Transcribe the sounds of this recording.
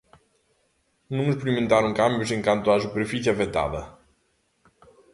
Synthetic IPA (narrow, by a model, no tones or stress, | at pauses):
numuspɾiment̪aɾuŋkambjuʃ̬iəŋkant̪uaʒupeɾfit͡ʃiavet̪a̰ðə